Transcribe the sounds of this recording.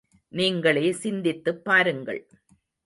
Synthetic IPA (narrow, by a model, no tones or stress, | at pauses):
niːŋɡɐɭeːsɪnd̪ɪt̪ːɯpːaːɾɯŋɡɐ̰ɭ